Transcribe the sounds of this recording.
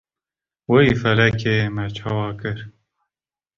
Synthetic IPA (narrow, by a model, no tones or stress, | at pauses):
weifɛlɛkʰeːmɛt͡ʃʰɑːwɑːkɨɾ